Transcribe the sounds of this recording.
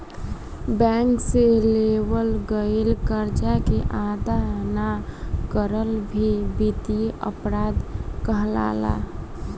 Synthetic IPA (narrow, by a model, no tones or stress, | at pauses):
bɛ̃ŋkselewəlɡəelkəɾd͡ʒakeʔad̪anakəɾəlbʱibit̪iə̰pɾaːd̪kəɦla̰ːla̰